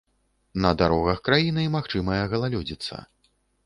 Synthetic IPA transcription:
nɐd̪aɾɔɣɐxkɾajinɨmaxt͡ʂɨmɐjɐɣɐlˠalʲɔd͡zʲit̪sːɐ̰

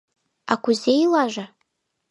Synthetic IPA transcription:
akʷʰuzejlaʒa

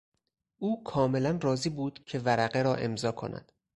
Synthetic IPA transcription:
ʔuːkʰɒːme̞lænrɒːziːbuːd̪̥cʰe̞væɾæɣeɾɒːʔe̞mzɒːkʰo̞̰næ̰d̪̥

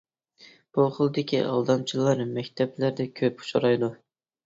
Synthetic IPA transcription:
b̥ulˠχʊlˠɨd̪ɪkʲʰiʔɑ̰lˠd̪ɑmt͡ʃʰilˠɑɾɨmɛkʲt̪ʰɛblæɾd̪ɛkʲʰøpu̥ʃɑ̰ɾɑjd̪u

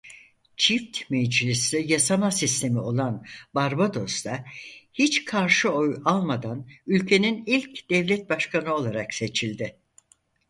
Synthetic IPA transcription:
t͡ʃʰift̪med͡ʒlʲislijasamasist̪ʰe̞mio̞lˠanbaɾbad̪o̞sd̪ahit͡ʃkʰaɾʃɯo̞jalˠmad̪anylʲcʰe̞ninilʲcd̪̥ɛvlʲɛt̪̚baʃkʰanɯo̞lˠaɾakse̞t͡ʃʰilʲd̪ɪ

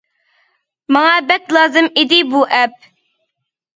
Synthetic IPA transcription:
mɑŋɑbɛt̪lˠɑːzɨmid̪ɪbuʔɛp̚

